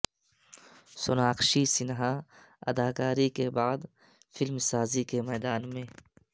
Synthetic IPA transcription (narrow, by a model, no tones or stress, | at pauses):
sʊnaːqʃisɪnɦa | ɐ̰d̪aːkaːɾikebaːd̪ | fɪlmsaːzikemɛːd̪aːnmẽː